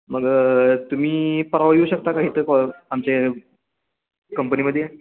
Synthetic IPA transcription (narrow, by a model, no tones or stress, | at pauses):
məɡt̪um̤iːpəɾaʋəjuːɕək̚t̪akaɦiːt̪əkɔamt͡ɕe | kəmpəniːməd̪ʱːje